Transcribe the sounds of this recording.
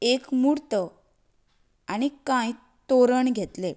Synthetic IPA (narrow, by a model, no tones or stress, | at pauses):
ekmuɽt̪ə | añikãj | t̪oɾəɳɡʱet̪le